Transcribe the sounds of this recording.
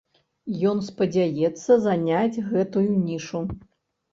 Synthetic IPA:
jɔnspɐd͡zʲajɛt̪sːɐzanʲad͡zʲɣɛt̪ujunʲiʂu

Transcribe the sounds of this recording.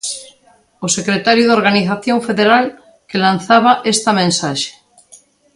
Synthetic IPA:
osekɾet̪aɾjuðoɾɣaniθaθjoɱfeðeɾal | kelan̟θaβaʔest̪amẽnsaʃe̥

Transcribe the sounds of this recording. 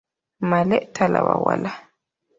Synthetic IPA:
malɛʔtʰalaβawala

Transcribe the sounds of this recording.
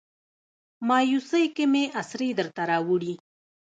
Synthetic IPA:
mɑːjusəjkemeʔasɾed̪əɾt̪aɾɑwuɽi

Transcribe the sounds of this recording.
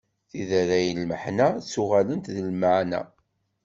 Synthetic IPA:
θiðæɾæjəlməħnæsʊʁalənt̪ðəlməʕnæ̰

